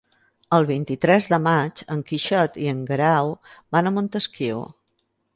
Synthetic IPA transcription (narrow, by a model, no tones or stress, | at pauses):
əlˠβ̞int̪it̪ɾɛzðəmad͡ʒəŋkiʃɔt̪iəŋɡɾawbanəmont̪əskiw